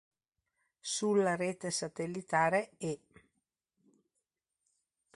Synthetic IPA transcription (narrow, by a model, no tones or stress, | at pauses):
sulːaɾeːt̪esat̪elːit̪aːɾee